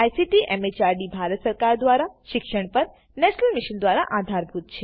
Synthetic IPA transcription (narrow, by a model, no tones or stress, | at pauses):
ajsiʈiʔɛmet͡ʃaɾɖibʱaɾət̪səɾkaɾd̪ʋaɾaʃɪkʃəɳpəɾ | nɛʃnəlmiʃənd̪ʋaɾa̰ʔad̪ʱaɾbʱut̪̚t͡ʃʰe